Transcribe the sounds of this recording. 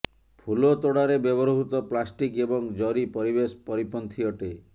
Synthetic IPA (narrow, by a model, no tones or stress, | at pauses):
pʰulɔt̪oɽaɾebjɔbɔɾɦut̪ɔplasʈikebɔŋd͡ʒɔɾipɔɾibesɔ̥pɔɾipɔnt̪ʰiɔʈe